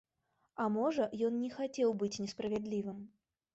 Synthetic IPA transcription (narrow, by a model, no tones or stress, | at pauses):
amɔʐəjɔnnʲɪxatʲewˠbɨtʲnʲɪspɾəvʲɪd̪lʲivɨm